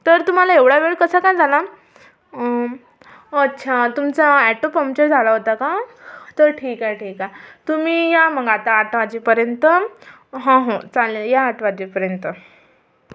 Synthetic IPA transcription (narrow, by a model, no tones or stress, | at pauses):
t̪əɾt̪um̤alaeʋɽ̤aʋeɭkəsakajd͡zʱala | oətːɕʰat̪umt͡saæʈopəmt͡ɕəɾd͡zʱalaɦot̪akat̪əɾʈʰiːkaʈʰiːkat̪um̤iːjam̤əɡat̪aːʈʋad͡ʑipəɾjənt̪ə | ɦãɦot͡salajaːʈʋad͡ʑipəɾjənt̪ə